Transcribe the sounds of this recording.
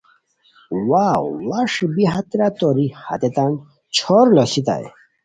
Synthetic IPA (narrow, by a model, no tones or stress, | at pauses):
wawwaʂbiɦat̪ɾat̪ɔɾiha̰t̪et̪an | t͡ɕʰɔɾlɔsit̪a̰j̰